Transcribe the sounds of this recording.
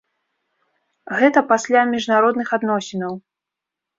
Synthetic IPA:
ɣɛt̪ɐpasʲlʲamʲiʐnaɾɔd̪nɨxad̪nɔsʲinɐw

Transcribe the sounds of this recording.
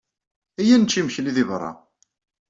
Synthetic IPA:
æjænt͡ʃːimçliðivrˤːɑ̰

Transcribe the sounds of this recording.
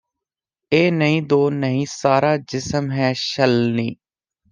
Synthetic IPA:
eːnəɦĩːd̪oːnəɦĩːsaːɾaːd͡ʒɪsəmɦɛːʃəlniː

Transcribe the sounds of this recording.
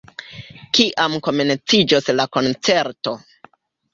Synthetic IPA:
kiʔamko̞me̞nt͡sid͡ʒoslako̞nt͡se̞ɾto̞

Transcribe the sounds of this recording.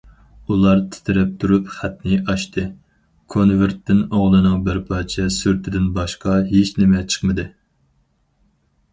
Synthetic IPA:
ulˠɑɾt̪ʰɪ̥t̪ʰɪɾɛp̚t̪ʰuɾupχɛt̪nɪʔɑʃt̪ɨ | kʰonveɾt̪ːɪnoʁlˠɨnɨŋbɪɾpʰɑːt͡ʃʰɛsyɾt̪ʰɪd̪ɪnbɑʃqɑɦet͡ʃʰnɪmɛt͡ʃʰə̥χmɨd̪ɨ

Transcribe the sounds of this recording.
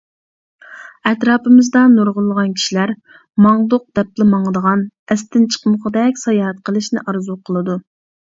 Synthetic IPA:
ɛt̪ɾɑːpɨmɪzd̪ɑnoɾʁʊlˠːəʁɑnkʲʰi̥ʃilæɾ | mɑŋd̪ʊq̚d̪ɛp̚lɪmɑŋd̪əʁɑnɛst̪ɪnt͡ʃʰə̥qməʁəd̪ɛkʲsɑjɑɦɛt̪̚qʰəlˠɨʃnɪ̰ʔɑɾzuqʰəlˠɨd̪u

